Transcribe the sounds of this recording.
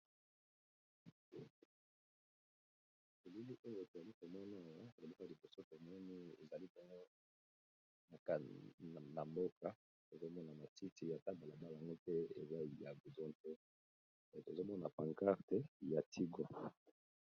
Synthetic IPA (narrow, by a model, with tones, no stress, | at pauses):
e˨lu˦li˦ʔo˦jo˨e˨to˨za˨li˦ko˨mɔ˦na˦˨wa˦o˨o˨bi˦ka˦˨i˨bo˨so˦to˨mɔ˦ni˦ḛ˨za˨li˦pɔ˦ŋɡo˦ | na˨ka˨na˨mbo˦ka˨ | to˨zo˦mɔ˦na˨ma˨ti˦ti˨ja˨ta˦mba˨la˨ba˦la˨ŋɡo˦tɛ˦ḛ˨za˦˨ja˨ɡu˨zɔ˦ntɛ˦˨ | to˨zo˦mɔ˦na˨pa˨ŋka˦ʁtɛ˦ja˨tʰi˦ɡɔ˦